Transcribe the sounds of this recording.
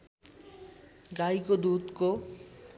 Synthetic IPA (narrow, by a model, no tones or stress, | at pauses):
ɡajkod̪ud̪ko